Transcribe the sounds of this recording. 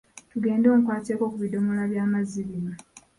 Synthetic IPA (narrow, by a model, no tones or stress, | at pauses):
tuɡe̞ːndo̞ːm̩kwaːteːko̞kuβido̞molaβjaːmaziβiɾa